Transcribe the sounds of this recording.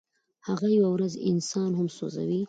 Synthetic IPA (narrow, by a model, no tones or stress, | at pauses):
haɣajawawɾazɪ̰nsɑnhʊmso̰za̰wi